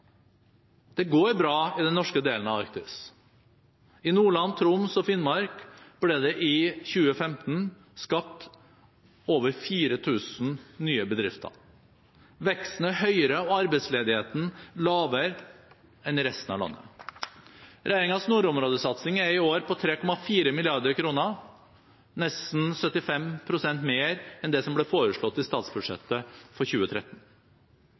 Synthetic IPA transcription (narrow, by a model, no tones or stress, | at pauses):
d̪̥ɛɡoːɾbɾɑːɪd̪ɛnːɔʂkəd̪eːlən̩ɑʋɑɾk̚t̪ɪs | ɪnuːɭɑnt̪ʰɾʊmsɔfɪnmɑɾkb̥lɛːd̪ɛʔɪçʉːəfɛmt̪n̩ | skɑp̚t̪ | oːʋəɾfiːɾət̪ʰʉːsn̩nyːəbəd̪ɾɪft̪ʰə̰ɾ | ʋɛksnəhœʏəɾəɔɑɾbɛɪt̪sleːd̪ɪheːt̪n̩lɑːʋəɾ | ɛnɪɾɛst̪n̩ɑ̰ʋlɑ̰nːə̰ | ɾʔæɪɾɪŋɑsnuːɾʊmɾoːd̪əsɑt̪sɪŋæɾɪoːɾpʰɔt̪ʰɾeːkʰɔmɑfiːɾəmɪlɪɑɾd̪əɾkʰɾuːnə | nɛst̪n̩sœt̪ːɪfɛmpʰɾʊsɛnt̪meːɾɛnd̪ɛsɔmblɛfoːɾəʂɭɔt̪ːɪst̪ɑːt̪sbʉd̪ʂɛ̰t̪ːəfɔɾçʉːət̪ʰɾɛt̪ːn̩